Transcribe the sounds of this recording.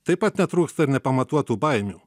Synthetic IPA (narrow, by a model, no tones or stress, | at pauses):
t̪ɐpɐt̪ʲnʲɛt̪ɾuːkst̪ɐɪɾnʲɛpɐmɐt̪uɔt̪ubajmʲu